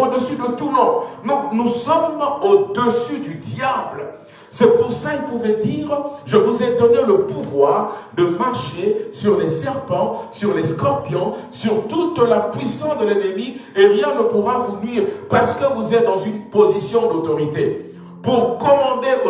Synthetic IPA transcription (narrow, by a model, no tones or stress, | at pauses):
od̪əsyd̪ət̪umɔ̃nɔ̃nusɔmod̪əsyd̪yd̪jablə | sɛpuʁsailpuvɛd̪iːʁʒəvuzɛd̪ɔneləpuvwaʁd̪əmaʁʃesyʁlɛsɛʁpɑ̃syʁlɛskɔʁpjɔ̃syʁt̪ut̪lapɥisɑ̃sd̪əlɛnəmieʁjɛ̃nəpuʁavunɥiːʁpaʁsə̥kəvuzɛt̪̚d̪ɑ̃zynpozisjɔ̃d̪ot̪ɔʁit̪e | puʁkɔmɑ̃d̪e